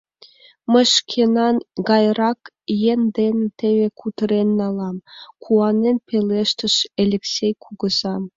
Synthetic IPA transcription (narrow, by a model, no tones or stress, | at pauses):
mə̆ʃkʰenɑnɡɑjrɑk | jend̪ent̪eβekʰut̪əɾenːɑlˠɑmkʰuɑnenpelʲeʃt̪ə̆ʃelʲeksʲejkʰuɡə̆zɑm